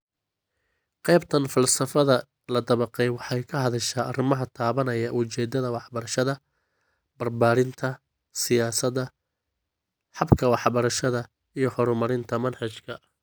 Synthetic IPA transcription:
qɛjbt̪ʰɐnfɐlsɐfɐðɐ | lɐd̪ɐβɐqɛjwɑħɑjkʰɐɦɐðɐʃaːrɪmɐɦɐt̪ʰaːβɐnɐjɐʔʊt͡ʃɛːd̪ɐðɐwɑħbɐɾɐʃɐðɐ | b̥ɐrbaːɾɪnt̪ʰɐ | sɪjaːsɐd̪ɐ | ħɑbkʰɐwɑħbɐɾɐʃɐðɐ | ijɞhɔɾʊmɐɾɪnt̪ʰɐmɐnħɑt͡ʃkʰɐ

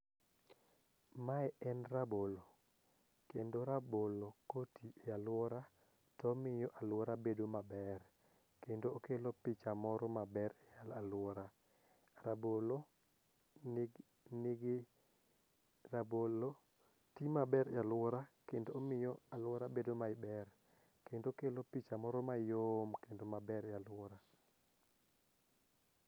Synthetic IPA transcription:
maɛɛnrabolo | kendoɾabolokotialwɔɾa | tɔmɪjɔʔalwɔɾabedomabɛr | kendoːkelopɪt͡ʃamɔɾɔmabɛraalwɔɾa | rabolo | nɪɡ | rabolo | timabɛɾjalwɔɾakendoːmɪjɔalwɔɾabedomaɪbɛr | kendokelopit͡ʃamɔɾɔmajomkendomabɛɾjalwɔɾa

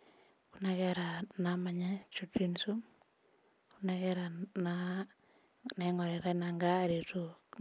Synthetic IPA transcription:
kunakɛɾanamaɲɛt͡ʃutːinsum | kunakɛɾana | nɛŋɔɾɛɾanaŋɡɾaɾetu

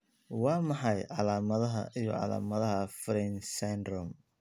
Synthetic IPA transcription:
wɑːmɑħɑjʕɑlaːmɐðɐɦɐ̰ʔijɔ̰ʕɑ̰la̰ːmɐðɐɦɐfɾɛnsɛnd̪ɾɔm

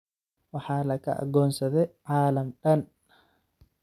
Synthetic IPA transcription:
wɑħɑːlɐkʰɐ̰ʔɐ̰ɡɔːnsɐðɛʕɑːlɐmɖɐn

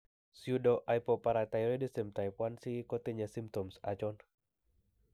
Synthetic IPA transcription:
sjudɔʔajpɔpaɾat̪ajɾedisemt̪ajpwansikot̪ɛɲasimp̚t̪ɔmsat͡ʃɔn

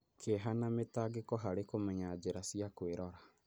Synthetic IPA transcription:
kʰeɦanametaɡekɔɦaɾekomɛɲad͡ʒeɾasiakweɾɔɾa

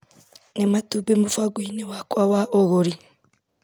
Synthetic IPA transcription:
nematubemufaɡwiːnewakwawaʔoɣoɾi

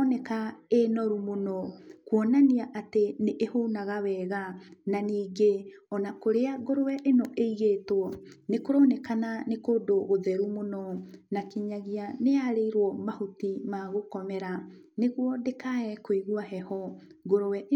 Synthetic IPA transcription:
nɛkaenɔɾumonɔkwɔnaniaʔateneʔehonaɣawɛːɣananiːɡeɔnakoɾeaɣoɾowɛʔenɔʔeiɣeːtowɔnekoɾɔnɛkananekoːdoɣoðɛɾumonɔnakiɲaɣianeaɾeiɾwɔmahotimaɣokɔmɛɾa | neɣwɔdekaɛkwoiɣuaɦɛhɔɡoɾowɛ

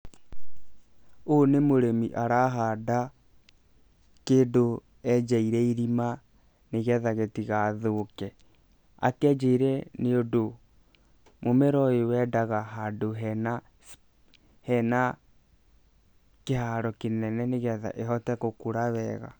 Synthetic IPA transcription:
onemoɾemiʔaɾaɦada | keːndo | ɛd͡ʒaiɾɛiɾima | neɣɛðaɣetiɣaðokɛ | a̰kɛd͡ʒaiɾɛneodo | momeɾɔewɛdaɣaɦadoɦɛna | hɛna | kehaɾɔkenɛnɛneɣɛða̰ʔeɦɔtɛkokuɾaβɛɣa̰

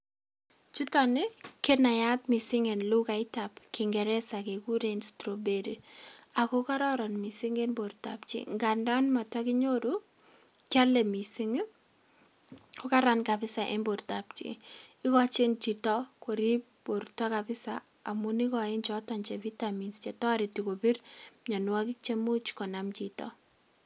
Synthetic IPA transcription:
t͡ʃutɔnɪkenajatmisɪŋɛnlukaɪtapkɪŋɡɛɾɛsakekuɾenstɾobeɾiakokaɾɔɾɔnmisiŋenboɾta̰pt͡ʃḭŋɡandanmatakɪɲoɾu | kalɛmisiŋ | kɔkaɾankapɪsaʔḛmbortapt͡ʃḭɪkɔt͡ʃent͡ʃitɔkoɾip | boɾtɔkapɪsa | amunikɔɪnt͡ʃɔtɔnt͡ʃɛvitaminst͡ʃɛtɔaɾitikopirɲanwakɪk̚t͡ʃemut͡ʃkɔnamt͡ʃitɔ̰

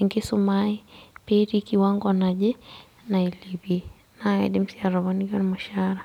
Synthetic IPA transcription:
ŋɡisumaipɛɾikiwaŋɡɔnaʄɛ | nailibi | naɛ̰dim̩siaɾɔβɔniɡɔnmaʃaɾa

